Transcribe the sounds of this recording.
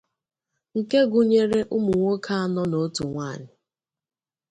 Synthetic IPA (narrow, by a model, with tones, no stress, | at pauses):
ŋ̩˨ke˦ɡʊ˨ɲe˦ɾe˦ʔʊ˦mʊ˨ŋʷo˦kʰa˦a˦nɔ˦no˨˦tu˨ŋʷa˦˨ɲɪ˨